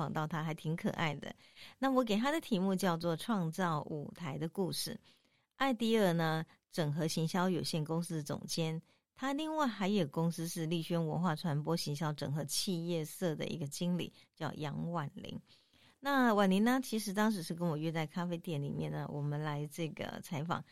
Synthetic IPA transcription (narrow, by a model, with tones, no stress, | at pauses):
ɑ˨˩ŋt̪ɑ˥˩ʊt̪ʰa˥xa˧˥ɪt̪ʰi˧˥ŋkʰɤ̰˨˩ʔa̰˥˩ɪd̪ə̰˩ | na˥˩wɔ˧˦˥k̬e˨˩ɪt̪ʰa˥d̪ə˨t̪ʰi˧˥mu˥˧t͡ɕjɑ˥˧ʊt͡swɔ˥˧˩ʈ͡ʂʰwɑ˥˧ŋt͡sɑ˥˩ʊṵ˨˩t̪ʰa˧˥ɪd̪ə˧ku˥˧ʂɻ̩˥˩ | ʔa˥˧ɪt̪i˥˧ə˥˩nə˩ | ʈ͡ʂɤ˨˩ŋxɤ˧˥ɕi˧˥ŋɕjɑ˥ʊjo˨˩ʊɕjɛ˥˩nkʊ˥ŋsɹ̩˥d̪ə˨t͡sʊ̰˨˩ŋt͡ɕjɛ˥n | t̪ʰa˥li˥˧ŋwa˥˩ɪxa˧˥ɪjo˨˩kʊ˥ŋsɹ̩˥ʂɻ̩˥˧li˥˩ɕɥɛ˥nwə̰˧˥nxwa˥˩ʈ͡ʂʰwa˧˥npwɔ˥ɕi˧˥ŋɕjɑ˥ʊʈ͡ʂɤ˨˩ŋxɤ˧˥t͡ɕʰi˥˧jɛ˥˧sɤ˥˩d̪ə̰˨ʔḭ˧˥ɡə˧t͡ɕi˥ŋlḭ˨˩˦ | t͡ɕjɑ˥˩ʊjɑ˧˥ŋwa˨˩nlḭ˧˥ŋ | na˥˩wa˨˩nli˧˥na˥t͡ɕʰi˧˥ʂɻ̩˧˥t̪ɑ˥ŋʂ̬ɻ̩˧˥ʂɻ̩˥˩k̬ə˥nwɔ˨˩ɥɛ˥˧t͡sa˥˩ɪkʰa˥fe˥ɪt̪jɛ˧˨˩nlḭ˨˩mjɛ˥˩nːə̰˩wʔɔ˨˩mə˦nla˧˥ɪʈ͡ʂɤ˥˩ɡə̰˩t͡sʰa˧˥ɪfɑ̰˨˩˦ŋ